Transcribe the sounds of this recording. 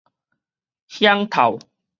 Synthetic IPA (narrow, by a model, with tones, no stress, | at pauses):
hja˦ŋt̪ʰa̰˨˩w